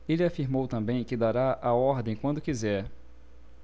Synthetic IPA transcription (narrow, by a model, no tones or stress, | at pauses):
elɪafiɾmowt̪ɐ̃mbẽj̃kɪd̪aɾaʔaɔɾd̪ẽj̃kwɐ̃nd̪ʊkizɛɾ